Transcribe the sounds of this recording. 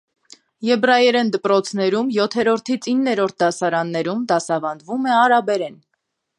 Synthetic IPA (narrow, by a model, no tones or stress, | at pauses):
jɛbrɑjɛɾɛnd̪əpɾɔt͡sʰnɛɾumjɔt̪ʰɛɾɔɾt̪ʰit͡sʰinːɛɾɔɾt̪̚ʰd̪ɑsɑɾɑnːɛɾumd̪ɑsɑvɑnd̪vumɛɑɾɑbɛɾɛn